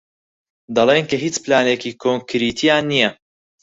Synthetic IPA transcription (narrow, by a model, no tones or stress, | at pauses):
d̪ɐlˠeːnkɐɦiːt͡splaːneːkiːkʰoŋkʰɾit̪ʰijaːnːijɛ